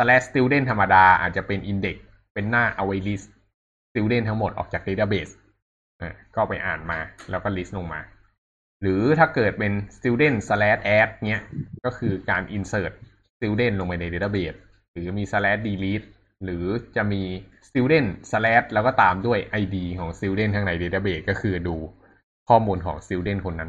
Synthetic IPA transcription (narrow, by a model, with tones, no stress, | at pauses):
sa˧lɛː˦˥st̪i˦˥wde˥˩nt̪ʰa˧mːa˧daː˧ʔa̰ː˨˩t̪̚t͡ɕa˨˩pe˧nʔi˧nde˨˩k̚ | pe˧nːaː˥˩ʔa˧wa˧jli˦˥s | t̪i˦˥wde˥˩nt̪ʰa˦˥ŋmo˨˩t̪̚ʔɔ̰ː˨˩t͡ɕaː˨˩k̚de˧˦˥t̪a˧˩beː˨˩s | ʔa̰ː˧˩kɔː˥˩pa˧jʔa̰ː˨˩nmaː˧lɛː˦˥wkɔː˥˩li˦˥slo˧ŋma̰ː˧ | ɾɯː˩˦t̪ʰaː˥˩kɤː˨˩t̪̚pe˧nst̪i˧˥wde˥˩nsa˧lɛː˦˥t̪̚ʔɛː˦˥t̪̚ni˦˥ɐʔkɔː˥˩kʰɯː˧kaː˧nʔi˧nsɤː˧˩t̪̚ | si˦˥wde˥˩nlo˧ŋpa˧jna˧jde˦˧˩t̪a˧˩beː˩t̪̚ | ɾɯː˩˦miː˧sa˧lɛː˦˥t̪̚diː˧liː˦˥t̪̚ | ɾɯː˩˦t͡ɕa˨˩ʔmiː˧ | si˦˥wde˥˩nsa˧lɛː˦˥t̪̚lɛː˦˥wkɔː˥˩t̪aː˧mdu˥˩əjʔa˧jdiː˧kʰɔː˩˦ŋsi˦˥wde˥˩nʰaː˦˧ŋna˧jdeː˧˥˩t̪a˧˩beː˨˩t̪̚kɔː˥˩kʰɯː˧duː˧ | kʰɔː˥˩muː˧nkʰɔː˩˦ŋsi˦˥wde˥˩nkʰo˧nːa˦˥n